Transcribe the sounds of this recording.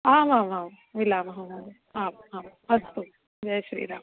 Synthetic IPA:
aːmaːmaːm | ʋilaːmɦamam | aːmaːmɦɐst̪u | d͡ʒɐjɐʃɐɾḭːɾaː

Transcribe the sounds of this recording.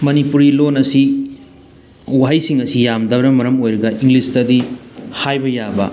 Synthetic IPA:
mɐnipuɾilonɐsi | uwɦajsiŋɐsijamdɐbɾɐmɐɾɐmojɾɐɡɐʔiŋlistɐdihajbɐjabɐ̰

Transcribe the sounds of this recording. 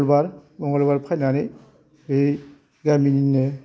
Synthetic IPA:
lbaɾbɔŋɡɔlbaɾpʰajnanɯ | be | ɡamininːɯ

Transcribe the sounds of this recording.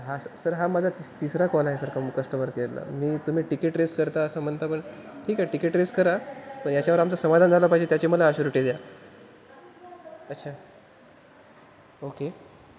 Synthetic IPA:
ɦasəɾɦamad͡zʱat̪it̪isɾakɔlaɦesəɾkamkəsʈəməɾkella̰miːt̪um̤iːʈikeʈɾeskəɾt̪aəsam̤ənt̪apəɳʈʰiːkɦaʈikeʈɾeskəɾapəɳjat͡ɕjaʋəɾamt͡sasəmad̪ʱand͡zʱalapaɦid͡ʑet̪jat͡ɕeməlaːɕuɾuʈed̪ja | ətːɕʰa | oke

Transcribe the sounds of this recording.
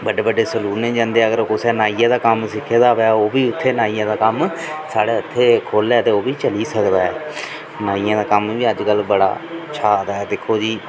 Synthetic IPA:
bəɖeːbəɖeːsəluːnẽːd͡ʒãːnd̪eːɛːəɡəɾkʊsɛːnaːijãːd̪aːkəmsɪkʰːeːd̪aːʋeaːoːbiːʊt̪ʰːeːnaːijãːd̪aːkəmsaːɽeːʊt̪ʰːeːkʰoːlɛːt̪eːoːbiːt͡ʃəliːsəkd̪aːɛː | naːijãːd̪aːkəmʋiːəd͡ʒkəlbəɽa̰ːt͡ʃʰaːd̪aːɛːd̪eːkʰoːd͡ʒiː

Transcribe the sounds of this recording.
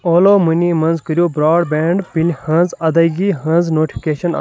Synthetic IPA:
oːloːmunʲiːmɐ̃nzkəɾʲjoːbɾaːɖbeːɳɖpilhɐ̃nzɐd̪ɐɡiɦɐ̃nznoːʈipʰi̥keːʃɐn̰

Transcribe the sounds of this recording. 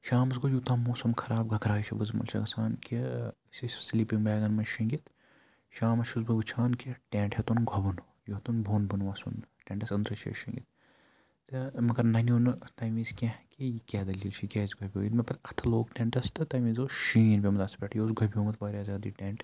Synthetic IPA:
ʃaːmɐsɡod͡ʒjuːt̪ãːmoːsɐmkʰɐɾaːb̚ɡʱɐkɾaːʃʰɐbɨzmɐ̰lʃʰɐ̰ɡɐsaːnkʲi | sʲɐssliːpiŋbaːɡɐnmɐnʃiŋɡit̪ | ʃaːmɐʃʰuzbɨbɨt͡ʃʰaːnkʲiʈʲeːɳʈhet̪unɡʱɐbɐn | jot̪unbʱoːnbɐnʋaːsunʈʲẽːɳʈɐsɐnd̪ɾɐt͡ʃʰḛʃĩŋɡḭt̪̚ | t̪ɨmɐɡɐɾnɐnoːnɨt̪ɐːmiːzkʲẽkʲijikʲɛːd̪ɐlʲiːlt͡ʃʰikʲɛːzɡobʲijo̰ːjinmɐpɐɾɐt̪ʰɐloːkʈʲẽɳʈɐst̪ɨt̪ɐmizoːʃiːnbʲimɐzɐspʲeːʈʰjoːzɡɐbʲioːmɐt̪baːɾʲjaːzʲaːd̪iːʈʲeːɳʈ

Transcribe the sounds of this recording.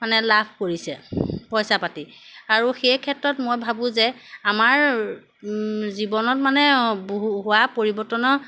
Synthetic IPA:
manɛlapʰkoɹisɛpɔjsapatiaɹuxejkʰɛtɹɔtmojbʱabʊ̃zɛamaɹ | zibɔnɔt̚manɛboɦuɦʊwapoɹibɔɹtɔnɔ

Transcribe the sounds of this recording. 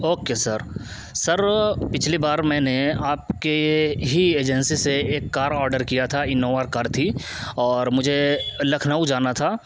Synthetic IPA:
oːkesɐɾ | sɐɾpɪt͡ʃʰlibaːɾmɛ̃ːneaːpkeɦieːd͡ʒə̃nsiseeːkːaːɾɔːɾɖəɾkijat̪ʰaɪnoːʋaɾkaːɾt̪ʰi | ɔːɾmʊd͡ʒʱelɐkʰnaːud͡ʒaːnat̪ʰaː

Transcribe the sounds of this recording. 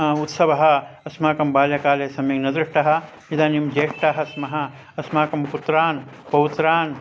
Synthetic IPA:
ut̪sɐʋɐɦɐ̆ɐsmaːkɐmbaːljɐkaːleːsɐmjeːŋnɐd̪ɾiʂʈɐɦɐ̆ | id̪aːnimd͡ʒeːʂʈaːɦɐsmɐɦɐ̆ | ɐsmaːkɐmput̪ɾaːnpɐʋit̪ɾaːn

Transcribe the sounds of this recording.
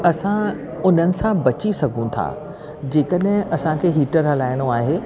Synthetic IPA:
ɐsã | ʊn̤ənɪ̆sãbɐt͡ɕisɐɡʱũt̪ʰa̰ː | d͡ʑeːkəɗɦɪ̃ʔɐsãkʰeːɦiːʈəɾɦɐlaːɪɽ̃oaːɦeː

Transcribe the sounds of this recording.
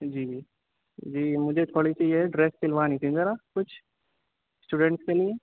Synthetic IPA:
d͡ʒiː | d͡ʒiːmʊd͡ʒʱet̪ʰoːɽit͡ʃiːeɖɾeːskɪlʋaːnit̪ʰizəɾakʊt͡ʃʰ | sʈuːɖẽɳʈskelie

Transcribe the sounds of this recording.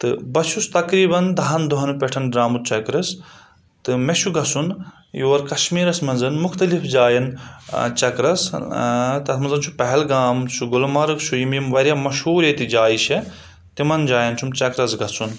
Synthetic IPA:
t̪ɨ̰bɐt͡ʃʰust̪ɐkɾiːbɐnd̪ɐɦɐnd̪oɦɐnpʲeʈʰɐnɖɾaːmut̪̚t͡ʃɐkɾɐs | t̪ɨmet͡ʃʰuɡɐsun | joːɾkɐʃmiːɾɐsmɐnzɐnmuxt̪ɐlifd͡ʒaːjɐnt͡ʃɐkɾɐs | t̪ɐt̪ʰmɐnzɐnt͡ʃʰupɐɦɛlɡaːmt͡ʃʰuɡulmaɾɨkt͡ʃʰujimimʋɐɾjamɐʃuːɾet̪id͡ʒaːjiʃe | t̪imɐnd͡ʒaːjɐnt͡ʃʰumt͡ʃɐkɾɐsɡɐsun

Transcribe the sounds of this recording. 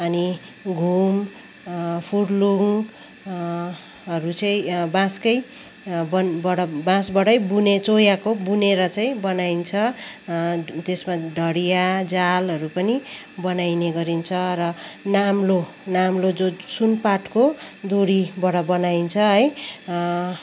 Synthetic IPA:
ʌni | ɡʱum | pʰurluŋ | ɦʌɾut͡sʌĩbãskʌj | bʌbʌɽʌbãsbʌɽʌjbunet͡sojakobuneɾʌt͡saĩbʌnajint͡sʰʌ | t̪esmaɖʱʌɽijad͡zalʌɾupʌni | bʌnajneɡʌɾint͡sʰʌɾʌnamlo | namlod͡zosunpaʈkod̪uɽibʌɽʌbʌnaint͡sʰʌɦʌj

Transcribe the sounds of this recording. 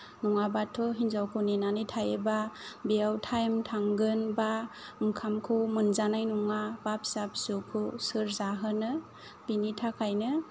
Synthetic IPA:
nɔŋabatʰːɔɦinzawkʰunenanitʰajebabeawtʰajmtʰaŋɡɯnbamkʰamkʰɯwmɯnzanajnɔŋabap̚sap̚sukʰusɯɾzaɦɯnɯ | binitʰakʰajnɯ

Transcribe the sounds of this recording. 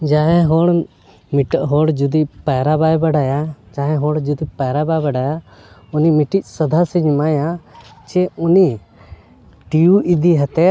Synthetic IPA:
d͡ʒaɦɛɦɔɽ | miʈəʔɦɔɽd͡ʒud̪ipajɾabajbaɖajad͡ʒaɦɛ̃ɦɔɽd͡ʒud̪ipajɾabajbaɖaja | unimiʈic̚ˀsəd̪ʱasiɲmajat͡ʃɛuni | ʈijuid̪iɦɛt̪ɛ

